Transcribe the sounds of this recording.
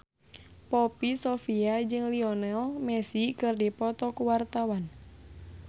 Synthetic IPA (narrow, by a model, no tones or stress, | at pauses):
pɔpisɔfiad͡ʒɨŋliɔnɛlmɛsikɨrdipɔt̪ɔkuwart̪awan